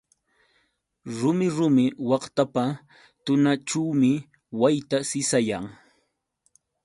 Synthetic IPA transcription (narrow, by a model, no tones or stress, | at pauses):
ɾʊmɪɾʊmɪwɑχt̪apa | t̪ʊnaʈ͡ʂuwmɪ | wajt̪asɪsajaŋ